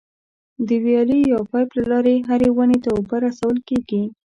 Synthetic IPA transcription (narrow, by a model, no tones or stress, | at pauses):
d̪əwjɑlijɑpɑjplalɑɾeɦaɾewənet̪aobaɾasawəlkeɡi